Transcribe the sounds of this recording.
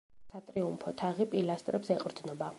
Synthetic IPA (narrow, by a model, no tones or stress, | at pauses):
sat̪ʼɾiumpʰɔt̪ʰaʁipʼilast̪ʼɾɛpsɛqʼɾd̪nɔba